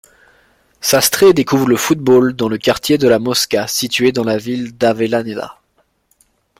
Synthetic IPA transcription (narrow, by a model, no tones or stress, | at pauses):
sast̪χed̪ekuvʁləfut̪̚bold̪ɑ̃ləkaʁt̪jed̪əlamɔskʲasit̪ɥed̪ɑ̃lavild̪avelaned̪a̰